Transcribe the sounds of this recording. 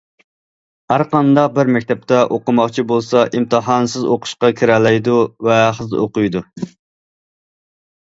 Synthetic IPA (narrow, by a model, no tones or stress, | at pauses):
hæɾqɑnd̪ɑq̚bɪɾmɛkʲt̪ʰɛp̚t̪ʰɛʔoqʊmɑχt͡ʃʰibolˠsɑʔimt̪ʰɨɦɑnsɪzoqʰʊ̥ʃqɑkʲʰiɾɛlɛjd̪uvɛχəzo̰qʊjd̪u